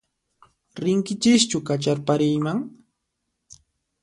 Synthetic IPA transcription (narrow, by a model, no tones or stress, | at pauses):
ɾɪŋkɪt͡ʃɪʃt͡ʃʊkat͡ʃaɾpaɾɪjmaŋ